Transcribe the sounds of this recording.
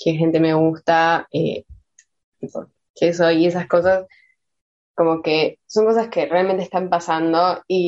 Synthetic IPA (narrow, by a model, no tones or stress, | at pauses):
kexe̞nt̪e̞meɣust̪aḛ | t̪ipo̰ | kes̬oie̞s̬asko̞sas | ko̞mo̞ke̞so̞ŋko̞s̬aske̞realment̪est̪ampasand̪o̞i